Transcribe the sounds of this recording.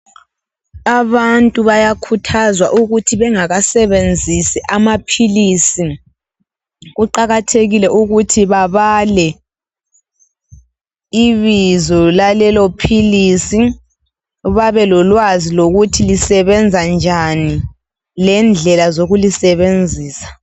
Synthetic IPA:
aβantʼuβajakʰutʰazwaʔuɣutʰiβɛŋaɣasɛβend͡zʱisiʔamapʰilisi | ɣuǃaɣatʰeɣilɛʔuɣutʰiβaβalɛ | iβizɔlalɛlopʰiliːsi | βaβɛlɔlwaziloɣutʰilisɛβɛnd͡zʱand͡ʒʱani | lɛnd͡ɮʱɛlazoɣulisɛβend͡zʱiːsḁ

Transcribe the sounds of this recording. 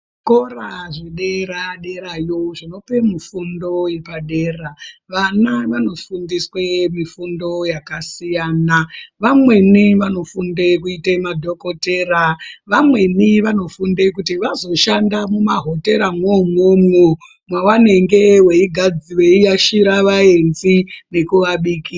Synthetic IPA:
ko̞raʐeɗeɾaɗe̞ɾajoʐino̞pe̞mifundo̞jepaɗeːraʋanaʋano̞fundiswemifundo̞jakasijaːnaʋamwe̞niʋano̞fundekuitemadʱo̞ko̞teːɾaʋamwe̞niʋano̞fundekutiʋazo̞ʃandamumaɦo̞te̞ɾamwomwomwu | mwawane̞ŋɡe̞weiɡʱad͡ziweijaʃiɾaʋae̞nzine̞kuʋaɓiki

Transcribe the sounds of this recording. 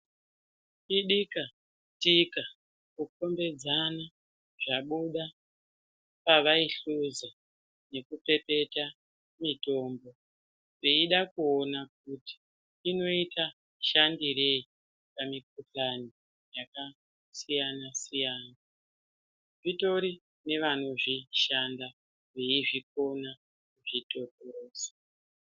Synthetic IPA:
iɗika | tika | kuko̞mbe̞d͡zana | ʐaɓuɗa | paʋaiɬuza | ne̞kupe̞pe̞ta | mito̞ːmbo̞ | eiɗakuonak̚uti̥ | ino̞itʰa | ʃandiɾei | pamik̚ut͡ɬani | jaka | sijanasijaːna | ʐito̞ɾi | ne̞ʋano̞ʐiʃanda | ʋe̞iʐik̚o̞na | kuʐito̞poɾoːsḁ

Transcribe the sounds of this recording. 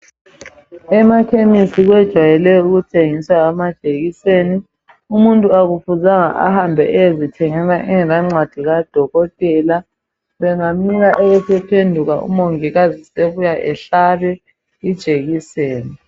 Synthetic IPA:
ɛmakʰemisiɣwɛd̥ʒ̥ʱwajɛlɛuɣutʰeŋiswaamad̥ʒ̥ʱeɣiseːni | umuntʼuaɣufuzaŋa̰ʔa̰hambʱɛʔɛezitʰɛŋɛnaʔɛŋɛnaŋ͡ǀwad̥ʱiɣad̥ʱɔɣɔtʼɛːla | βɛŋamiɣaʔɛβɛsɛpʰendʱuɣaʔṵmoŋiɣaziseβujaʔɛɬaβɛ | id̥ʒ̥ʱeɣiseːni

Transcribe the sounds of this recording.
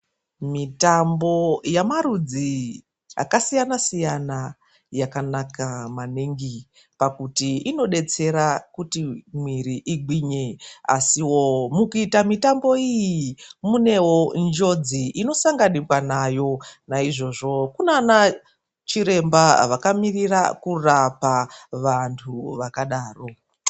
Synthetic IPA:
mitambo̞jamaɾud͡zi | a̰kasijanasijana | jakanakamaniŋɡi | pakutiino̞ɗe̞t͡se̞ɾakutimwiɾiʔiɡwiɲe̞a̰siwo̞mukuitamitambo̞ijimune̞wo̞nd͡ʒo̞d͡ziʔino̞saŋɡanikwanajo̞naiʐo̞ʐo̞kunana | t͡ʃiɾe̞mbaʋakamirirakurapaʋantʰuʋakaɗaːro̞

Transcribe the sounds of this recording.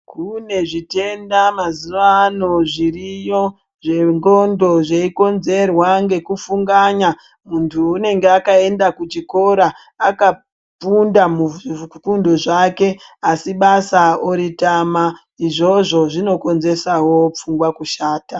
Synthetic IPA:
kune̞ʐite̞ndamazuʋano̞ʐirijo̞ | ʐe̞ŋɡo̞ndo̞ʐeiko̞nze̞rwaŋɡe̞kufuŋɡaɲa | muntʰuːne̞ŋɡeakae̞ndakut͡ʃiko̞ɾaː | ka | pundamukundo̞ʐake̞asiɓasaoɾitama | iʐo̞ʐo̞ʐino̞ko̞nze̞sawo̞p͡fuŋɡwakuʃaːta

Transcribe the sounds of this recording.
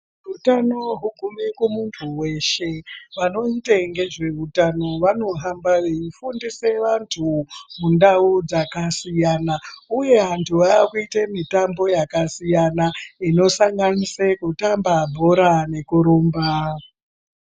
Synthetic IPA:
rutano̞ɦuɡʱumikumuntʰuwe̞ʃe̞ʋano̞iteŋɡe̞ʐe̞utano̞ʋano̞ɦambaʋeifundise̞ʋantʰumundaud͡zakasijanauje̞ɦantʰuʋaːkuitemitambo̞jakasijanaino̞saŋɡanisekutambabʱo̞ɾane̞kuɾoːmba

